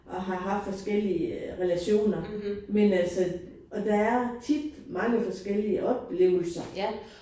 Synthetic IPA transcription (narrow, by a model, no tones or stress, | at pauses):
ʔɒ̽ɦɑ̈ɦɑ̈fd̥fɒ̽sɡ̥el̰iəʁɛlæɕo̝̰ːnɐmenæl̰sɒ | ʔɒ̽d̥ɑ̈æɐt͡sʰid̥mɑ̈ŋəfɒ̽sɡ̥el̰iəʔɒ̽b̥le̝ːʊ̰l̩sɐ